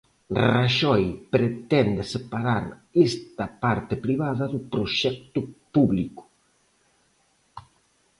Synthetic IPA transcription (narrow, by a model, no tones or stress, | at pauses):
raʃɔjpɾet̪ɛnd̪ɪsepaɾaɾest̪ɐpaɾt̪ɪpɾiβaðɐðʊpɾoʃɛk̚t̪ʊpuβlikʊ̥